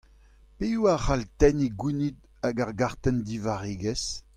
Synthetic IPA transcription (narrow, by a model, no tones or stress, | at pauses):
peuaχalt̪ɛniɡwinid̪ | aɡaʁɡaʁt̪ɛnd̪ivaʁeːɡɛs